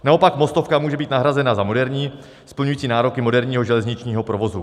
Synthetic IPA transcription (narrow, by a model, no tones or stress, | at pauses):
nao̞pakmo̞st̪ofkamuːʒɛbiːt̪naɦɾazɛnazamo̞dɛɾɲiː | spl̩ɲujːt͡siːnaːɾo̞kɪmo̞dɛɾɲiːɦoʒɛlɛzɲɪt͡ʃɲiːɦo̞pɾo̞vo̞zu